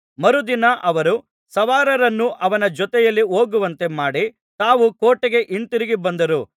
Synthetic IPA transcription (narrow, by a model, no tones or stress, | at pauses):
mɐɾud̪inɐʔɐʋɐɾu | sɐʋaːɾɐɾɐnːuʔɐʋɐnɐd͡ʒɔt̪ɛjɐlːio̞ːɡuʋɐnt̪e̞maːɽi | t̪aːʋukoːʈːeɡe̞ʔiɳʈ̪iɾiɡibɐnd̪ɐɾu